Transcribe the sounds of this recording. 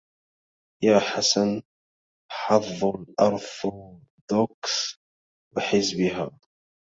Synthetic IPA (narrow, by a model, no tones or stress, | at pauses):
jaːħasan | ħɑðˤːɑlʔɑɾˤf | d̪oks | wɪħɪzbɪɦaː